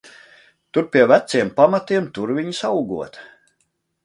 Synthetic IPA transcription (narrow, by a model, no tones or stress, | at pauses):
t̪uɾpʲiɛvæt̪siɛmpamat̪iɛmt̪uɾvʲiɲisawɡuɔt̪